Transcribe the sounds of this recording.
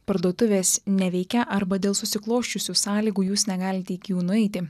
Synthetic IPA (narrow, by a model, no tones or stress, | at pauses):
pɐɾd̪uːt̪ʊʋʲeːsnʲɛʋʲɛɪkʲɛʔɐɾbɐd̪ʲeːlˠsʊsʲɪklˠoːʃʲt͡ʃʲʊsʲuːsɑːlʲiːɡuːjuːsnʲɛɡɑːlʲɪt̪ʲɛikʲjuːnʊɛɪt̪ʲɪ